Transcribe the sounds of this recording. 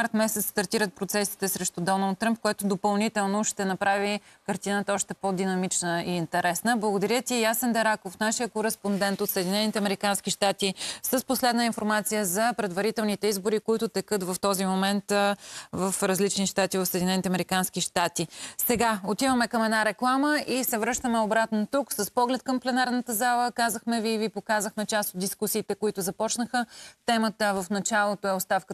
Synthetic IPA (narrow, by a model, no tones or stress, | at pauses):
aɾt̪mɛsɛt̪sst̪ɐɾt̪iɾət̪̚pɾot̪sɛsi̥t̪ɛsɾɛʃt̪ʊd̪ɔnəlˠt̪ːɾəmp̚koɛt̪od̪opɐlˠnit̪ɛlˠnoʃt̪ɛnɐpɾavikɐɾt̪inət̪əɔʃt̪ɛpod̪inɐmit͡ʃnəiːnt̪ɛɾɛsnəblˠəɡod̪ɐɾʲjət̪ijasənd̪ɐɾakofnaʃijəkoɾɛspond̪ɛnt̪ot̪səɛd̪inɛnit̪ɛɐmɛɾikansk̟iʃt̪at̪isəsposlɛd̪nəinfoɾmat̪sijəzɐpɾɛd̪vɐɾit̪ɛlˠnit̪ɛizboɾikoit̪ʊt̪ɛkɤt̪vɐft̪ɔzimomɛnt̪vəfɾɐzlit͡ʃniʃt̪at̪ivɐfsəɛːd̪inɛnit̪ɛɐmɛɾikanskiʃt̪at̪isɛɡaot̪ivəmɛkəmɛd̪naɾɛklˠaməisɛvɾɤʃt̪əmɛobɾat̪not̪uksəspɔɡlɛt̪̚kəmplɛnaɾnət̪əzalˠəkazəxmɛviːvipokazəxmɛt͡ʃast̪od̪iskusiːt̪ɛkoit̪ʊzɐpɔt͡ʃnəxət̪ɛmət̪əvəfnɐt͡ʃalˠot̪oɛot̪st̪afkə